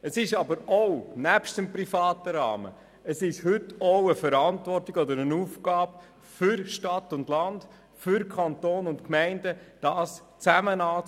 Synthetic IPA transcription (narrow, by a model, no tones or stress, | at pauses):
əsɪʃɑbəɾownæpʃtəmpɾifɑːtəɾɑ̰ːmə̰ | əsɪʃhʏtoʊəfəɾɑntʋɔrtɪɡɔd̪əɾənuːfɡɑːb | fʏɾʃtɑtːʊndlɑnd̥ | fʏɾkʰɑnt̪oːnʊntkmɛɪndəd̥ɑːs | t͡sæmənɑː